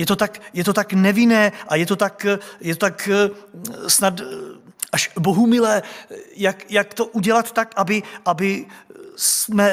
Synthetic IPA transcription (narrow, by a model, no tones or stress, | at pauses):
jɛt̪o̞t̪akjɛt̪o̞t̪aknɛvɪnɛːʔajɛt̪o̞t̪akjɛt̪ot̪ak | snat̪ | ʔaʃboɦumɪlɛːjakjakt̪o̞ʔuɟɛlat̪t̪ːakʔabɪʔabɪ | smɛ